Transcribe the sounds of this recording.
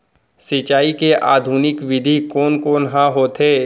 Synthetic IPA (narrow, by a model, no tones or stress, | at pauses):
sɪt͡ʃaːikeʔaːd̪ʱuːnɪkʋɪd̪ʱikoːnkoːnɦãɦoːt̪ʰeː